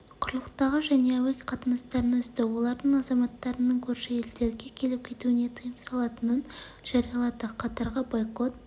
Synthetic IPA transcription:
qʰʊɾəlˠəqt̪ɑʁəʒæne̞æwɪkʲqʰɑt̪ənɑst̪ɑɾənʏzt̪ɪwo̞lˠɑɾd̪əɴɑzɑmɑt̪ːɑɾənəɴkʲʰɵɾʃɪe̞ld̪e̞ɾɡʲe̞kʲʰe̞lɪp̚kʲʰe̞t̪uɪne̞t̪ʰəjəmsɑlˠɑt̪ənən | ʒ̥ɑɾijɑlˠɑd̪əqʰɑt̪ɑɾʁəbojqo̞t̪̚

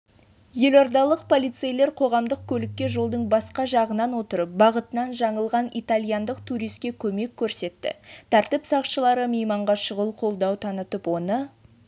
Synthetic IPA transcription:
je̞loɾd̪ɑlˠəq̚pʰo̞lˠijt̪sejle̞ɾqʰo̞ʁɑmd̪əq̚kʲʰɵlɪk̚ʲːe̞ʒo̞lˠd̪əɴbɑsqɑʒɑʁənɑnwo̞t̪əɾəp̚bɑʁət̪ənɑnʒɑɴəlˠʁɑnit̪alʲˠijɑnd̪əqt̪ʰuɾijst̪̚kʲekʲʰɵme̞kʲʰːɵɾse̞t̪ːɪ̰t̪ʰæɾt̪ɪpsɑqʃəlˠɑɾəmejmɑɴʁɑʃəʁəlˠqʰo̞lˠd̪ɑwt̪ʰɑnət̪əpwo̞nə

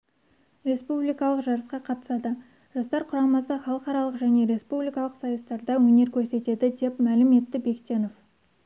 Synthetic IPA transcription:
ɾʲe̞spublijkɑlˠəqʒɑɾəsqɑqʰɑt̪ə̥sɑd̪ə | ʒ̥ɑst̪ɑɾqʰʊɾɑmɑsəχɑlˠəqɑɾɑlˠəqʒæne̞ɾe̞spublijkɑlˠəqsɑjəst̪ɑɾd̪ɑwɵne̞ɾkʲʰɵɾse̞t̪e̞d̪ɪd̪e̞pmælɪme̞t̪ːɪbe̞kʲt̪ʲe̞no̞f

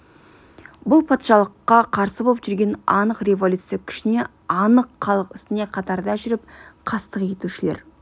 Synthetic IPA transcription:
bʊlˠpʰɑt̪ʃɑlˠəqːɑqʰɑɾsəbo̞lˠəpʒʏɾɡʲe̞nɑ̰nəqrʲe̞volʲut̪sijakʲʰɪ̥ʃɪne̞ | ɑnəqχɑlˠəqɪst̪ɪne̞qʰɑt̪ɑɾd̪ɑæʒʏɾɪp̚qʰɑst̪əqje̞t̪uʃɪle̞̰ɾ

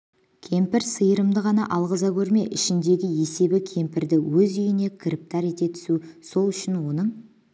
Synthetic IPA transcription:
kʲʰe̞mpɪɾsəjəɾəmd̪əʁɑnɑʔɑlˠʁəzɑkʲʰɵɾme̞ʔɪʃɪnd̪e̞ɡʲɪje̞se̞bɪkʲʰe̞mpɪɾd̪ɪwɵzʏjɪne̞kʲʰɪɾɪp̚t̪ɑɾe̞t̪e̞t̪ʰʏ̥suso̞lˠʏʃɪnwo̞nəɴ

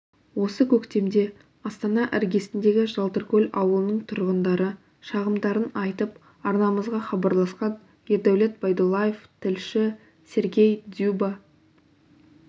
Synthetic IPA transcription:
wo̞səkʲʰɵkt̪e̞md̪e̞ | ɑst̪ɑnɑʔæɾɡʲe̞sɪnd̪e̞ɡʲɪʒɑlˠt̪ərkʲʰɵlʲɑ̰wəlˠənəɴt̪ʰʊɾʁənd̪ɑɾə | ʃɑʁəmd̪ɑɾənɑjt̪əp | ɑɾnɑməzʁɑχɑbɑɾlˠɑsqɑn | eɾd̪awlʲˠet̪̚bɑjd̪olˠɑjeft̪ʰɪlʃɪ | se̞ɾɡʲe̞jd̪juba

